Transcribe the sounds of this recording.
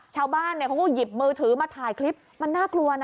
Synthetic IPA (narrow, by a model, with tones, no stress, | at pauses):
t͡ɕʰaː˧wbaː˥˩nːi˧˩kʰɔ˧˦ŋkʰɔ˥˩ji˨˩p̚mɯː˧t̪ʰɯː˩˦maː˧t̪ʰaː˨˩jkʰli˦˥p̚ma˧nːaː˥˩klu˧ɐna˧